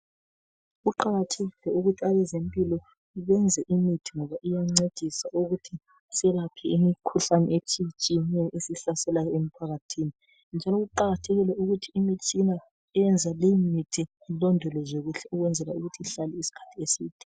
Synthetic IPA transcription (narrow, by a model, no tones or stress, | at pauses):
ɣuǃaɣatʰeɣilɛuɣutʰiaβɛzempʼilɔ | iɣɛnd͡zʱɛʔimitʰiŋɔβaʔijaŋ͡ǀed̥ʱisauɣutʰi | sɛlapʰɛimikʰuɬanɛ̰et͡ʃʰʼit͡ʃʼiɲɛʔesiɬasɛlajɔem̩pʰaɣatʰini | nd͡ʒʱalɔɣuǃaɣatʰɛɣilɛuɣutʰiːmit͡ʃʰʼina | ɛɛnd͡zʱalemitʰi | lɔndʱɔlɔzoɣuɬɛuɣwɛnd͡zʱɛlauɣutʰiiɬalɛisi̥kʰḁtʰiesiːd̥ʱɛ̥